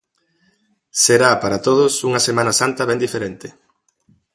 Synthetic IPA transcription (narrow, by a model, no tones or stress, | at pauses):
seɾapaɾat̪oðʊsuŋɐsemanɐsant̪ɐβɛnd̪ifeɾent̪ɪ̥